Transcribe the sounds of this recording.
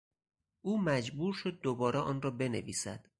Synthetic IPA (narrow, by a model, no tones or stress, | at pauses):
ʔuːmæd͡ʒbuːɾʃo̞d̪̚ːobɒːɾɛʔɒːnrɒːbe̞nḛviːsæ̰d̪̥